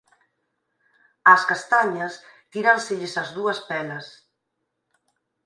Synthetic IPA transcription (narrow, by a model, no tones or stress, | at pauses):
ɐskast̪aɲɐst̪iɾansɪʎɪsɐzðuɐspɛlɐs